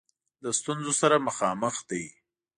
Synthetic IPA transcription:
ləst̪unzosaɾaməxɑməxd̪aj

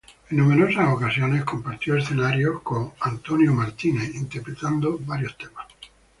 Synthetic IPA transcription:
enːũmeɾosasokasjonesko̞mpaɾt̪joesθenaɾjokoŋant̪onjomaɾt̪ineint̪eɾpɾet̪and̪obaɾjost̪emas

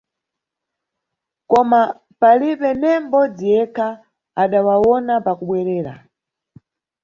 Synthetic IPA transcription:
kɔma | palipɛnɛm̩bɔd͡zijɛkʰa | aɗawawɔnapakuɓwɛɾɛːɾa̰

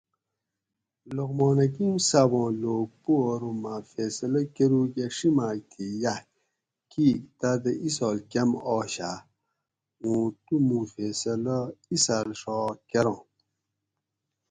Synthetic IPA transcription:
loɣmoːnɐk̬imsabõːloːɡ̚puɾumafeːsɐlɐkeɾukeʂimaːk̚t̪ʰija | kʰiːkt̪ad̪əʔisɔːlkɐmɔːɕa | ũːt̪umũfesɐləisaːlʂɔːkɐɾõː

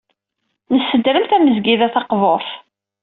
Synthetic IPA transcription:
nəsːəd̪ɾəmθæməzɡiðæθɑqvoɾˤθ

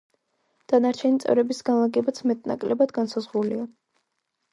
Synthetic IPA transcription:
d̪̥anaɾt͡ʃʰɛnit̪sʼɛ̰vɾɛbisɡanlˠaɡɛbat̪sʰmɛt̪ʼna̰kʼlɛbad̪ɡansazʁulia

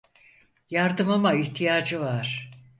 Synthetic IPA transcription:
jaɾd̪ɯmamaiçt̪ʰijaːd͡ʒɯvaɾ̥

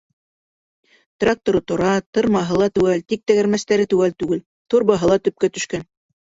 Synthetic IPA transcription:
t̪rak̚t̪oɾɤt̪ŏɾɑt̪ɤ̆ɾmɑɦɤ̆lˠɑt̪ʉwælt̪ik̚t̪æɡæɾmæst̪æɾɘt̪ʉwælt̪ʉɡɘl | t̪oɾbɑɦɤ̆lˠɑt̪ɵ̆p̚kæt̪ɵ̆ʃkæn

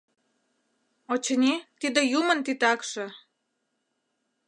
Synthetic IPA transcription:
ot͡ɕənʲit̪id̪ə̆jumə̆nt̪it̪ɑkʃɤ̆

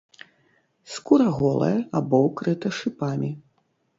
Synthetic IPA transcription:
skuɾɐɣɔlˠɐ̰jɐabɔwkɾɨt̪ɐʂɨpamʲi

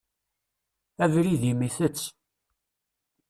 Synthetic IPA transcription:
ævɾiðimiθət͡sː

